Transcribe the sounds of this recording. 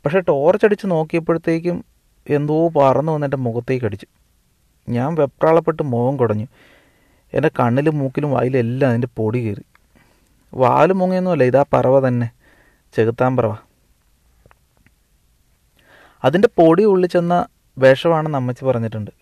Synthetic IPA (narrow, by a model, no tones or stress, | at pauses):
pɐkʂe̞ʈo̞ːrt͡ɕːɐɽit͡ɕːɨno̞ːkːijɐp̬ːe̞ɽut̪ːe̞ːk̬ʲːum | e̞nd̪upɐrɐnːuʋɐnːindemuɣɐt̪ːeːkːɐɽit͡ɕːu̥ | ɲaːnʋe̞p̚raːɭɐpːe̞ʈːɨmo̞ːɣɐmkuɽɐɲːu | ḛndekɐɳːilumːuːkːilumʋa̰ːjile̞lːɐmɐðinde̞po̞ːɽikḭːrḭ | ʋa̰ːlumuŋːienːuʋɐlːɐiðaːpɐ̰rɐʋɐt̪ɐnːe̞ | t͡ɕe̞ɣut̪ːaːmprɐʋɐ | ɐðinde̞po̞ːɽiuɭːit͡ɕːe̞nːɐ | be̞ːʂɐmaːɳɨnɐmːɐt͡ɕːɨpɐrɐɲːiʈːuɳɖɨ